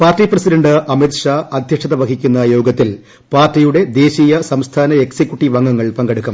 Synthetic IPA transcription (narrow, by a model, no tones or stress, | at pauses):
paːrtiprɐsidɐɳɖɨʔɐmit̪ʂaɐd̪ʱjɐʂʰɐðɐʋɐkʰikʲːunːɐjo̞ːɡɐt̪ːil | paːrtːijuɽe̞d̪e̞ːɕiːjɐsɐmst̪ʰaːnɐeksikʲːjuʈːiʋɐŋːɡɐŋːɐɭpɐŋɡeɽukːɐm